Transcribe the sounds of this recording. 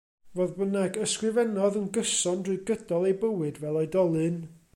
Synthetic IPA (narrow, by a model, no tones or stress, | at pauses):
voːðbənaɡəskrɨvɛnɔðənɡəsɔndrɨɨɡədɔlˠejbəwɨdvɛlˠɔjdɔlˠɨn